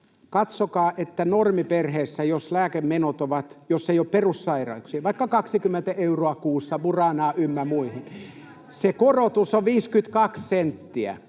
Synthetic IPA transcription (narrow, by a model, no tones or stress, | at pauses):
kɑt̪sokɑːʔet̪ːænormiperheːsːæjoslæːkemmenot̪oʋɑt̪josːeijopperussɑirɑ̰uksiɑʋɑikːɑkɑksikymːent̪æʔeuroɑkuːsːɑʋurɑnɑːʔymːæmuihin | sekorot̪usoʋʋiːskyt̪kɑkssent̪ːiæ̰